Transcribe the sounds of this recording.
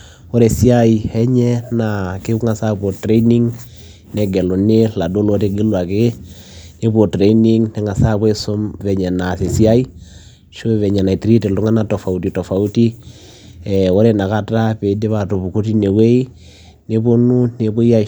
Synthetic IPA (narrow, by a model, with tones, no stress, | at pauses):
o˦ɾɛ˨si˦a˦i˨hɛ˦ɲɛ˦na˨ke˦u˦ŋa˨sa˦pɔ˨tɾɛ˦i˦ni˦ŋ | nɛ˨ɡɛ˨lɔ˨ne˦la˨do˦lo˦te˦ɡe˦lwa˨ke˦ | ne˦βo˨tɾɛ˦i˦ni˦ŋnɛ˨˦ŋa˨sa˦βwɛ˦so˦mvɛ˨ɲɛ˨na˨se˨si˦a˦i˦ | ʃo˦βɛ˨ɲɛ˨na˨i˨ti˦ɾi˦te˨lo˦ŋa˦na˨tɔ˨fa˨u˦ti˨tɔ˨fa˨u˦ti˦ | ɛo˦ɾɛ˨na˨ka˦ta˦pe˨de˦βa˨to˨βu˨ku˦ti˦ne˨we˦i˦ | ne˦βo˦nu˦ne˨βo˦i˦a˦